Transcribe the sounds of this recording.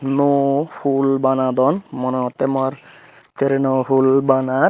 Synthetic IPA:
nɔhulbanad̪ɔnmɔnɔt̪emaɾ | t̪eɾenɔɦulbana

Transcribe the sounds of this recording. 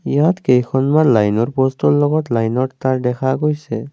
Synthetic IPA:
ijatkejkʰɔnmanlajnɔɹpɔstɔɹlɔɡɔtlajnɔttaɹdɛkʰaɡojsɛ

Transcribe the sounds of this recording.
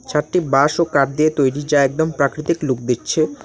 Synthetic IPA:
t͡ɕʰaɾʈibaʃokaʈ̚d̪iet̪ojɾid͡ʑaɛk̚d̪ompɾakɾit̪ikluk̚d̪itːt͡ɕʰe

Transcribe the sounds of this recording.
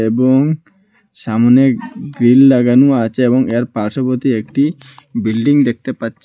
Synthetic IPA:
eboŋ | ʃamoneɡɾillaɡanuaat͡ɕʰeeboŋeaɾpaɾʃopoɾt̪iek̚ʈi | bilɖiŋd̪ek̚ʰt̪epatːɕʰ

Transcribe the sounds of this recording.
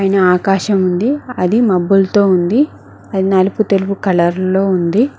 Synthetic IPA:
aːjɐnɐaːkaːʃɐmund̪iɐd̪imɐbːult̪o̞ːund̪i | ɐd̪inɐluput̪elupukɐlɐɾlo̞ːund̪i

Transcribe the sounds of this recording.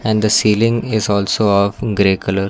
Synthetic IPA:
ɛ̃ɳɖd̪əsiːlɪ̃ŋɪzɔːlsoːɔvɡɾeːkələɾ

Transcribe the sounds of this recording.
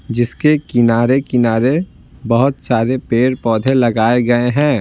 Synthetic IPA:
d͡ʒɪskekɪnaːɾekɪnaːɾe | bɐɦʊt̪saːɾepeːɾpɔːd̪ʱelɐɡaːeɡɐeɦɛ̃ː

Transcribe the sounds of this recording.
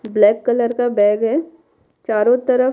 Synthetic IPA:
blɛːkːələɾkabɛːɡɦɛː | t͡ʃaːɾõt̪əɾə

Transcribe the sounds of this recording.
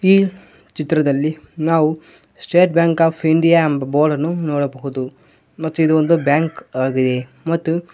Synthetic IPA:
iː | t͡ʃit̪ɾɐd̪ɐlːi | naːʋu | sʈeːʈ̚bjaːŋkaːpʰiɳɖijaːɐmbɐboːɾɖɐnːunoːɽɐbɐɣud̪u | mɐt̪ːuid̪uond̪ubjaːŋkaːɡid̪e̞ | mɐt̪ːu

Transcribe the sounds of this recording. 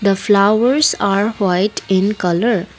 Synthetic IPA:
d̪əflaəɾsaɾwaɪʈɪ̃nkʌləɾ

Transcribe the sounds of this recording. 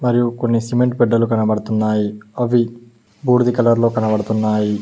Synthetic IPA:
mɐɾijukonːisimeɳʈ̚bɛɖːɐlukɐnɐbɐɽɐt̪unːaːjiɐʋi | buːɾd̪ikɐlɐɾlo̞ːkɐnɐbɐɽɐt̪unːaːji

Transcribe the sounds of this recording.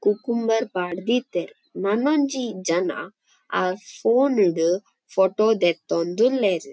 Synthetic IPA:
kukumbɐɾpaːɽd̪it̪ːeɾ | nɐnond͡ʒid͡ʒɐna̰ | aːpʰoːniɽu | fʰoʈoːd̪ɛt̪ːond̪ulːeɾi

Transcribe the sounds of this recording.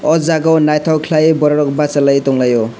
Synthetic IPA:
ɔd͡zaɡɔnajt̪ʰɔkʰlajbʌɾʌɽɔk̚bat͡salajt̪oŋlajo

